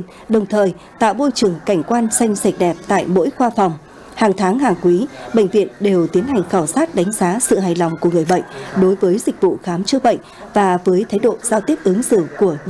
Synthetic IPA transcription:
ɗə˨˩wŋ͡mt̪ʰəː˨˩j | t̪a̰ː˧˨wmo˧jt͡ɕɨ˨˩əŋka˧˩jŋ̟kwaː˧nsa˧jŋ̟sa˧˩jk̟̚ɗɛ˨˩p̚t̪a̰ː˧˨jmo̰˧˥jxwaː˧fa˨˩wŋ͡m | haː˨˩ŋt̪ʰaː˨˦ŋhaː˨˩ŋkwi˨˦ɓə̰˧˨ŋ̟vḭ˧˨ənɗe˨˩wt̪i˨˦ənɦa˨˩jŋ̟xaː˧˩wsaː˦˥t̚ɗa˨˦ŋ̟zaː˨˦sɨ̰˧˨ɦaː˨˩jlɔ˨˩wŋ͡mku˧˩əŋ˨˩əjɓə̰˧˨jŋ̟ɗo˨˦jvəː˨˦jzï˨˩k̟̚vṵ˧˨xaː˨˦mt͡ɕɨ˦əɓə̰˧˨jŋ̟vaː˨˩vəː˨˦jt̪ʰaː˨˦jɗo̰˧˨z̥aː˧wt̪i˦˥əp̚ʔɨ˨˦əŋsɨ̰˧˨ku˧˩ə

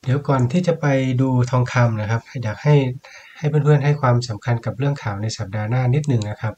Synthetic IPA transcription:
di˩˦wkɔː˨˩nt̪ʰiː˥˩t͡ɕa˨˩pa˧jduː˧t̪ʰɔː˧ŋkʰa˧mna˧˩kʰa˦˧˥p̚jaː˨˩k̚ha˥˩j | ha˥˩jpe˨npʰɯ˧˥˩ənɦa˥˩jkʰwaː˧msa˩˦mkʰa˧nka˨˩p̚lɯ˥˩əŋkʰaː˨˩wna˧jsa˨˩p̚daː˧naː˥˩ni˦˥t̪̚nɯ˨˩ŋna˦˥kʰa˦˥p̚

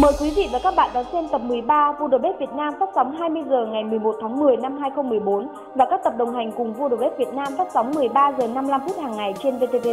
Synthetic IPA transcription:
məː˨˩jkwi˨˦vḭ˧˨vaː˨˩kaː˦˥k̚ɓa̰ː˧˨nɗɔ˨˦sɛ˧mt̪ə˨˩p̚mɨ˨˩əjɓaː˧vu˧ɗo˨˩ɓe˦˥t̚vi˨˩ət̚naː˧mfaː˦˥p̚sa˨˦wŋ͡mɦaː˧jmɨ˧əjzəː˨˩ŋa˨˩jmɨ˨˩əjmo˨˩t̚t̪ʰaː˨˦ŋmɨ˨˩əjna˧mhaː˧jxə˧wŋ͡mmɨ˨˩əjɓo˨˦n | vaː˨˩kaː˦˥k̚t̪ə˨˩p̚ɗə˨˩wŋ͡mɦa˨˩jŋ̟kʊ˨˩ŋ͡mvṵ˧ɗo˨˩ɓe˦˥vi˨˩ət̚naː˧mfa˦˥p̚sa˨˦wŋ͡mmɨ˨˩əjɓaː˧zəː˨˩na˧mla˧mfu˦˥t̚haː˨˩ŋːa˨˩jt͡ɕe˧nve˧t̪e˧t̪e˧

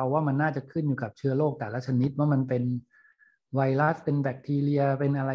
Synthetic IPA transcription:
a˧waː˥˩ma˧nːaː˥˩t͡ɕa˨˩kʰɯ˥˩njuː˨˩ka˨˩p̚t͡ɕʰɯ˥˩ɐloː˥˩k̚t̪ɛː˨˩la˦˥t͡ɕʰa˧ni˦˥t̪̚wa˦˥˩ma˧npe˧n | wa˧jla˦˥spe˧nbɛː˨˩k̚t̪ʰiː˧li˧ɐpe˧nʔa˧ɾa˧

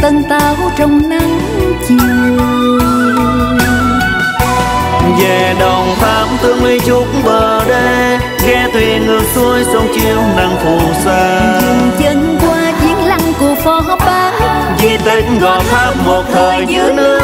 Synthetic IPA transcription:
t̪ə˧nt̪aː˨˧˦wt͡ɕɔ˧wŋ͡mna˧ŋ | t͡ɕi˨˧˩ | zɛ˧˨˩ɗə˨˩wŋ͡mt̪ʰaː˨˦mt̪ɨ˧mɨ˧əjt͡ɕʊ˦˥k͡p̚ŋ͡mɓəː˨˩ɗə˧j | ɣɛ˧˥t̪ʰwi˨˧˨ŋɨ˨˩ək̚su˧əjsə˧wŋ͡mt͡ɕi˧˦əwna˧˩ŋt̪ʰu˧˩saː˧zɨ˨˩ŋt͡ɕə˨˦ŋkwaː˧t͡ɕi˨˦əŋla˧ŋku˨˧˩əfɔ˧˦ɦɔ˧˥p̚ɓaː˧ | zi˧t̪ï˧˨˦ŋ̟ɣɔ˨˩t̪ʰaː˦˥p̚mo˨˩t̚t̪ʰəː˨˩jjɲɨ̰˧˥nɨ˦˧˥ə

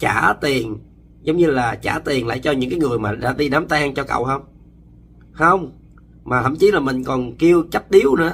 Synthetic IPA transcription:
t͡ɕaː˧˩t̪i˨˩ən | zə˨˦wŋ͡mɲɨ˧laː˨˩t͡ɕaː˧˩t̪i˨˩ənla̰ː˧˨jt͡ɕɔ˧ɲɨ̰˧˥ŋkaː˨˦jŋɨ˨˩əjmaː˨˩ɗa̰ː˧˥ɗi˧ɗaː˨˦mt̪aː˧ŋt͡ɕɔ˧kə̰˧˨whə˧wŋ͡m | hə˧wŋ͡m | maː˨˩t̪ʰə̰˧˩mt͡ɕi˨˦laː˨˩mï˨˩ŋ̟kɔ˨˩nki˧əwt͡ɕa˦˥t̚ɗi˨˦əwnɨ̰˧˨˦

